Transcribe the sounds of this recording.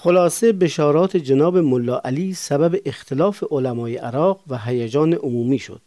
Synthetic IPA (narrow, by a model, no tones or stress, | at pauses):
xolɒːsebeʃɒːɾɒːt̪ʰed͡ʒenɒːbemolːɒːʔæliːsæbæbeʔext̪ʰelɒːfeʔolæmɒːjeʔæɾɒːqvæɦæjæd͡ʒɒːneʔomuːmiːʃo̰d̪